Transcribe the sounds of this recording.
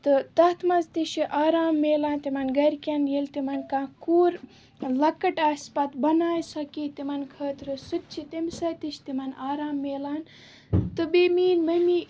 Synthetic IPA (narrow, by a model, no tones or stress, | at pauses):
t̪ɨt̪ɐt̪ʰmɐzt̪iʃiʔaːɾaːmːeːlaːnt̪imɐnɡɐɾʲkʲanjelt̪imɐnkãkuːɾ | lɐkɐʈaːspɐt̪bɐnaːjsɐkit̪imɐnkʰɐːt̪ɾɨsɨt̪̚ʲt͡ʃʰit̪ɐmsɐt̪iʃʲt̪imɐnaːɾaːmːeːlaːn | t̪ɨbimiːnmɐmi